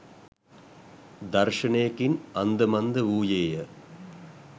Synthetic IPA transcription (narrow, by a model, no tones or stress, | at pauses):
d̪ɐrʂɐɳeːkinɐnd̪ɐmɐnd̪ɐuːjeːjɐ